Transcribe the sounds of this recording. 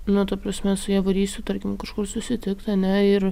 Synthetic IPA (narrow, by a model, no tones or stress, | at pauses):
nʊt̪ɐpɾɐsʲmʲɛsʊjiːʋɐɾʲiːsʲt̪ʲʊt̪ɐɾʲkʲɪmkɐʃkʊrsʊsʲɪt̪ʲɪkt̪ɐnʲɛɪr